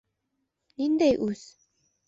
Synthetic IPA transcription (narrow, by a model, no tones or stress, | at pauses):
nind̪ejʔus